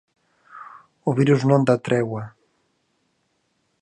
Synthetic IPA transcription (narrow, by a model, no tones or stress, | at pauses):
oβiɾuznõnd̪at̪ɾɛwa